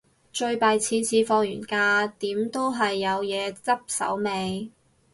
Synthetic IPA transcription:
t͡ʃɵ˧ɥpaː˨˧jt͡sʰiː˨˥nt͡sʰiː˨˧fɔː˧ŋ̚jyː˨˩nkaː˧t̪iː˨˥mt̪o˥wɦɐ˨jːɐ˨˧wjɛː˨˧t͡sɐ˥p̚sɐ̰˨˥wme˨˧j

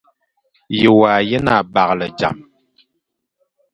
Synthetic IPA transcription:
jə˨waː˨jə˦na˨ba˨klə˨d͡ʒa̰˨m

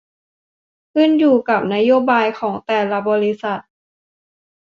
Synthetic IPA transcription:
kʰɯ˥˩njuː˨˩ka˨˩p̚na˦˥joː˧˥˨baː˧jkʰɔː˩˦ŋt̪ɛː˨˩la˧bɔː˧li˦˥sa˨˩t̪̚

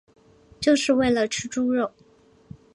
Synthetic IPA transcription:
t͡ɕjo˥˧ʊʂɻ̩˥˧we˥˩ɪlə˩ʈ͡ʂʰɻ̩˥ʈ͡ʂu˥ɻo˥˩ʊ

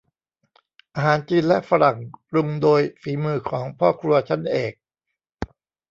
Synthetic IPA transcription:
ʔaː˧ɦaː˩˦nt͡ɕiː˧nlɛ˦˥ʔfa˧ɾa˨˩ŋɾu˧ŋdoː˧jfiː˩˦mɯː˧˩kʰɔː˩˦ŋpʰɔː˥˩kʰɾu˧ɐt͡ɕʰa˦˥˩nʔeː˨˩k̚

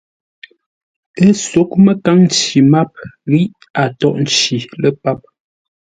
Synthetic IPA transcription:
ə˦so˨˦k̚mə˦ka˦ŋn˦t͡ʃi˨ma˦p̚ɣi˦ʔ | a˨tɔ˦ʔn̩˨t͡ʃi˨lə˦pa˦p̚

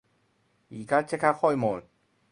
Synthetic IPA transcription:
iː˨˩ka˦˥t͡ɕʰe˥kʰa˦˥˩kʰɔ˥˩jmo˨˩t̪̚

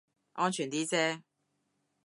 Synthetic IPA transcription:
ʔɔː˦˥nt͡ʃʰyː˨˩nt̪iː˥t͡sɛː˥

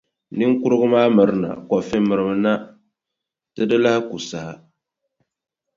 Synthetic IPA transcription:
ni˦ŋ˦ku˦ɾɨ˦ɡɨ˦maː˦mɨ˨ɾɨ˦na̰˨kɔ˨fɪ˦mːɨ˨ɾɨ˦bɨ˦na˦ | tɨ˦dɨ˦la˦hɪ˦ku˨sa˨ha˨

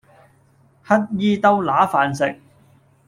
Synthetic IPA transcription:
hɐ˥t̚jiː˥t̪ɐ˥wlaː˨˥faː˨nsɪ˨k̚

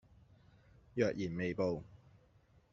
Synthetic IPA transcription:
jœː˨k̚jiː˨˩nme˨jpo˨w

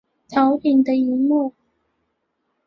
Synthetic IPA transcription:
t͡sʰɑ˧˥ʊpʰi˨˩ŋd̪ə˧i˧˥mu˥˩

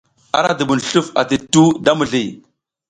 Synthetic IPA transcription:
a̰˦ɾa˨də˨bu˨nɬu˦fa˨ti˨tu˦da˦mu˨ɮi˨

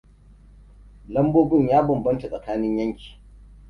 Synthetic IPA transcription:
lɐ˦mboː˦bɪ˦ɲjaː˦bɐ˨mbɐ˦nta˨sʼɐ˨kaː˦nɪ˦ɲjɐ˦ŋkʲi̥ː˨

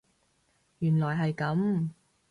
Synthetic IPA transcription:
jyː˨˩nlɔː˨˩jɦɐ˨jkɐ˨˥m

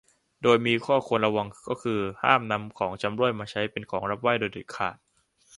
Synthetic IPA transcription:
doː˧jmiː˧kʰɔː˥˩kʰo˧nɾa˧wa˧ŋkɔː˥˩kʰɯː˧ha̰ː˥˩mna˧mkʰɔː˩˦ŋt͡ɕa˧mɾu˥˩əjmaː˧t͡ɕʰa˦˥jpe˧nkʰɔː˩˦ŋɾa˦˥p̚wa˥˩jdoː˧jt̪i˨˩kʰa̰ː˨˩t̪̚

